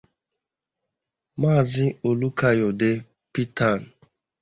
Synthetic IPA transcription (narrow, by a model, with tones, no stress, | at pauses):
maː˦˨zɪ˦o˨lu˦ka˦jɔ˨de˦ | pi˦ta˦˨n̩˨